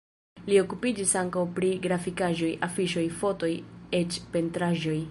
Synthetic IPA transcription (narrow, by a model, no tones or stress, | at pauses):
lio̞kupid͡ʒisaŋkawpɾiɡɾafikaʒo̞jʔafiʃo̞jfo̞to̞jet͡ʃpe̞ntɾaʒo̞j